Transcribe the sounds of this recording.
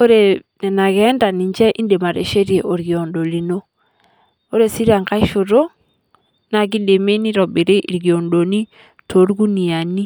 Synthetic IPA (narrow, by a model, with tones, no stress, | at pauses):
o˦ɾe˨nɛ˨na˨kɛ˨˦nda˨ni˨ɲd͡ʒɛ˦ʔi˦nde˨ma˨ɾḛ˨ʃe˦ɾje˨ʔo˨ɾɡi˨o˨ndo˨li˨no˦ | o˦ɾe˨si˦ɾa˨ŋka˦i˦ʃo˨ɾo˦ | na˨ɡ̬i˦de˨me˦ni˦ɾɔ˨bɪ˨ɾe˦ʔi˨ɾɡi˨o˨ndo˨ni˦ | tʰo˨˦ɾɡu˦ni˨a˨ni˦